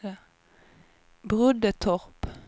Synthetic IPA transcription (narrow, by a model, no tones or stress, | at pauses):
bʁʉd̪ət̪ʰɔʁp